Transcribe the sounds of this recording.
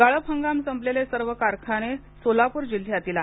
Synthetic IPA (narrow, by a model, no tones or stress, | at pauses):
ɡaɭəpɦəŋɡamsəmblelesəɾʋəkaɾkʰañe | solapuːɾd͡ʑilːjat̪ila